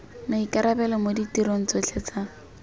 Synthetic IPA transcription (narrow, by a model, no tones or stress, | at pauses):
naikʼaɾabɛlɔmoditiɾon̩t͡sot͡ɬʰet͡sa